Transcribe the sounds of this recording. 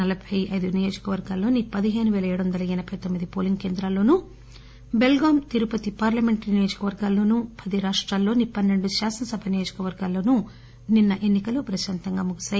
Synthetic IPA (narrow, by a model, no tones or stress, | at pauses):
ɐlɐbʱɐjʔɐjd̪unijo̞ːd͡ʒɐ̥kɐʋɐɾɡaːlo̞ːnipɐd̪iɦe̞ːnuʋɛːlɐeːɽuʋɐnd̪ɐlɐɛnɐbʱɐjt̪omːid̪ipoːliŋɡke̞ːnd̪ɾaːlo̞ːnu | be̞lɡaːmt̪iɾupɐt̪ipaːɾlɐme̞ɳʈnijoːd͡ʒɐkɐʋɐɾɡaːlo̞ːnupʰɐd̪iɾaːʂʈɾaːlːo̞ːnipɐnːe̞ɳɖuʃaːsɐnɐsɐbʱɐnijo̞ːd͡ʒɐ̥kɐʋɐɾɡaːlːo̞ːnu | ninːɐʔe̞nːikɐlupɾɐʃaːnt̪ɐŋɡaːmuɡɐsɐ